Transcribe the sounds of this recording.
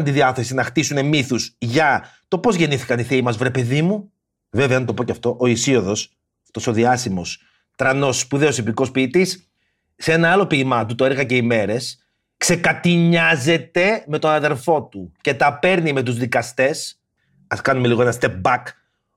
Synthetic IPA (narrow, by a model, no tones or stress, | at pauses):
nt̪iðiɐθe̞sinɐxt̪isune̞miθusʝɐt̪o̞po̞zʝe̞niθi̥kɐniθiimɐzvɾe̞pe̞ðimu | ve̞veɐnt̪opoceɐft̪o̞ʔoisio̞ðo̞s | ɐft̪o̞so̞ðiɐsimo̞s | t̪ɾɐno̞spuðeosipiko̞spit̪isː | eenɐɐlo̞piːmɐt̪ut̪oeɾɣɐce̞ime̞ɾe̞s | kse̞kɐt̪iɲɐze̞t̪e̞me̞t̪o̞nɐðe̞ɾfo̞t̪uce̞t̪ɐpe̞ɾnime̞t̪̬uzðikɐst̪e̞s | ɐskɐnume̞liɣo̞enɐst̪ep̚bɐk